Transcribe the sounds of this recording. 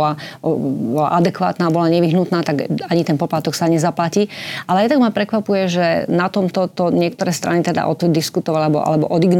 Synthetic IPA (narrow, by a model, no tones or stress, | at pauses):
la | bɔla̰ʔad̪ɛkʋa̰ːt̪naːbɔlaɲɛʋiɦnut̪naːt̪aɡaɲit̪ɛnpɔplat̪ɔksaɲɛzaplacialɛjɛt̪aɡmapɾɛkʋapujɛʒɛnat̪ɔmt̪ɔt̪ɔɲɪɛk̚t̪ɔɾɛːst̪ɾanit̪ɛd̪a̰ʔɔt̪d̪iskut̪ɔʋalabɔ̰ʔa̰lɛbɔ̰ʔɔd̪iɡn